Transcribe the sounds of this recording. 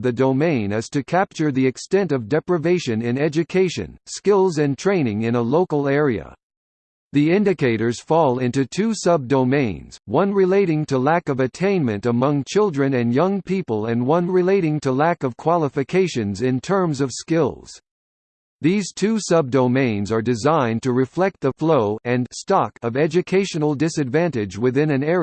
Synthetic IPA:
ðɨdoʊmẽɪ̃nɨz̥tʰɨkʰæp̚t͡ʃə˞ðiɨkstɛ̃ntʌvdɛpɹɨveɪʃɨ̃nɪ̃nɛd͡ʒɨkʰeɪʃɨ̰̃nskɪlˠzɨ̃ntʰɹ̥ẽɪ̃nɪ̃ŋɨ̃nəloʊkl̩ˠɛɹiɨ̰ | ðiɪ̃ndɨkʰeɪɾə˞z̥fɔlˠɪ̃ntʉtʰʉsʌb̚doʊmẽɪ̃nz̥wʌ̃nɹɨleɪɾɪ̃ŋtʰɨlækʌvɨtʰẽɪ̃nmɨ̰̃ntəmʌ̃ŋt͡ʃʰɪlˠdɹɨ̃nɨ̃njʌ̃ŋpʰipəlˠɨ̃nwʌ̃nɹɨleɪɾɪ̃ŋtʰəlækʌv̥kʰw̥ɑlˠəfɨkʰeɪʃɨ̃nzɪ̃ntʰɜ̃˞mzʌv̥skɪlˠz̥ | ðiz̥tʰʉsʌb̚dõʊmẽɪ̃nzə˞dɨzãɪ̃ntʰɨɹɨflɛk̚t̪̚ðəfloʊɨ̃nstɑkʌvɛd͡ʒɨkʰeɪʃɨ̃n̩l̩ˠdɪsɨdvæ̃ntɪd͡ʒwɨθɪ̃nɨ̃nɛɹ

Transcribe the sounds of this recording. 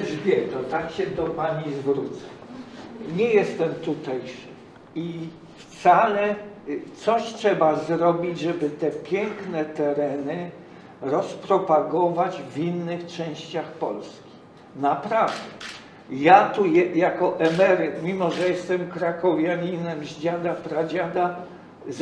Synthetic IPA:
ʐvʲjɛt̪ɔt̪akɕɛd̪ɔpaɲizvɾut̪sḁ | ɲɛjɛst̪ɛmt̪ut̪ɛjʂɨ | i | ft̪salɛt̪sɔɕtʂɛbazɾɔbʲid͡ʑʐɛbɘt̪ɛpʲjɛŋknɛt̪ɛɾɛnɘ | ɾɔspɾɔpaɡɔvad͡ʑvinːɘxt͡ʂɛ̃w̃ɕt͡ɕaxpɔlskʲi̥ | napɾavd̪ɛ | jat̪ujɛjakɔʔɛmɛɾɪt̪mʲimɔʐɛjɛst̪ɛmkɾakɔvʲjaɲinɛmʑd͡ʑad̪apɾad͡ʑad̪a | z

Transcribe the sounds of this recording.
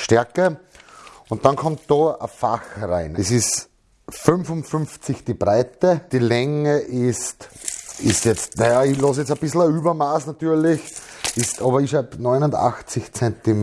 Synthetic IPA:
ʃtɛɐkə | ʊ̃ntd̥ɑ̃nkʰɔmt̚d̥oə̰faxʁaɪnɛsɪs | fʏnfʊnfʏmft͡sɪçd̥ibʁaɪtəd̥ilɛŋəʔɪstɪstjɛt͡stnajailɔs̬jɛt͡səb̥ɪsl̩əyːbɐmaːsnatyːɐlɪçɪstʰɑːbɐɪʃaɪbnɔɪnʊnda̰xt͡sɪçt͡sɛntim

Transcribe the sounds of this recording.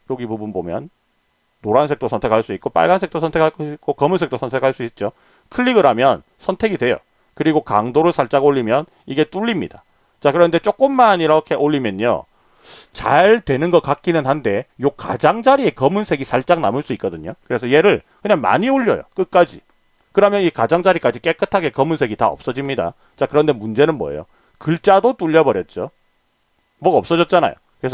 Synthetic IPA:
joɡibubunbomjʌnː | oɾɦans̬ʰe̞k̚t͈osʰʌntʰe̞k̚ʰaɭs͈uik̚k͈op͈a̰ɭɡans̬ʰe̞k̚t͈osʰʌntʰe̞kʰakik͈okʌmunsʰe̞k̚t͈osʰʌntʰe̞kʰaɭs͈uit̚t͡ɕ͈o | kʰɯʎːiɡɯɾɦamjʌn | sʰʌntʰe̞ɡidwe̞jo̰ | kɯɾiɡokaŋdoɾɯɭsʰaɭt͡ɕ͈aɡoʎːimjʌn | iɡe̞t͈uʎːimɲida | t͡ɕakɯɾʌnde̞t͡ɕ͈ok͈ɯmːaniɾʌkʰe̞ʔoʎːimjʌɲo̰ | t͡ɕa̰ɭtwe̞nɯnɡʌk͈ak͈inɯnhande̞joka̰d͡ʑaŋd͡ʑaɾie̞kʌmunsʰe̞ɡisʰaɭt͡ɕ͈aŋna̰mɯɭs͈uik͈ʌdɯɲokɯɾe̞sʰʌje̞ɾɯɭkɯɲaŋma̰ɲioʎːʌ̰jo̰k͈ɯk͈ad͡ʑḭ | kɯɾʌmjʌnikad͡ʑaŋd͡ʑaɾik͈ad͡ʑik͈e̞k͈ɯtʰaɡe̞kʌmunsʰe̞ɡita̰ʌ̰p̚s͈ʌd͡ʑimɲida̰ | t͡ɕakɯɾʌnde̞mund͡ʑe̞nɯnmwʌ̰ḛjo̰ | kɯɭt͡ɕ͈adot͈uʎːʌbʌɾjʌt̚t͡ɕ͈o̰ | mʌɡʌp̚s͈ʌd͡ʑʌt̚t͡ɕ͈ana̰jo̰ | kɯɾesʰʌ

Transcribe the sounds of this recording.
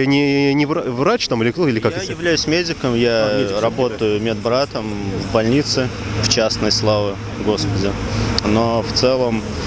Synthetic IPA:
anʲɪnʲɪvravrat͡ɕt̪amɨlʲɪk̪ˠɪlʲɪkakj̪ɪvlʲæjʊsʲmʲedʲɪkəmjaɾɐbo̞t̪əjʊmʲɪd̪bɾat̪əmvbɐlʲnʲit̪sɨ | ft͡ɕasnəjslˠavə | ɡo̞spədʲɪnoft̪sɛlˠəm

